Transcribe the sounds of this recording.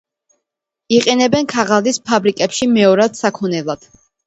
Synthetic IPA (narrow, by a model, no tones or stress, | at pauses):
iqʼinɛbɛnkʰaʁalispʰabɾikʼɛpʃimɛɔɾad̪̥sakʰɔnɛlˠad̪̥